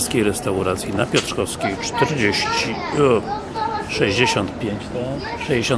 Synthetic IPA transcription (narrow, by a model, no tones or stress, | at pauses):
skʲejɾɛst̪awɾat̪sʲjinapʲjɔt̪ʂkɔskʲejt͡ʂt̪ɛɾd͡ʑeɕt͡ɕi | ʂɛʑd͡ʑeɕɔnt̪̚pʲjeɲt͡ɕt̪ɔ | ʂɛjd͡ʑeɕɔ̃n